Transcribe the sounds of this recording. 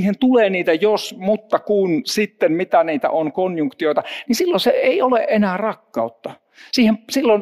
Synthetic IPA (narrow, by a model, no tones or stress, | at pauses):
hent̪uleːniːt̪æjosmut̪ːɑkunsit̪ːemmit̪æniːt̪æ̰ʔonkonjuŋkt̪ioit̪ɑnisilːoseeiolḛʔʔenæːrɑkːɑut̪ːɑ | siːhemsilːon